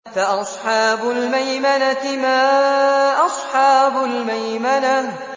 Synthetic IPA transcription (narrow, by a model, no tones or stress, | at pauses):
faʔɑsˤħɑːbʊlmajmanat̪ɪmaːʔɑsˤħɑːbʊlmajmana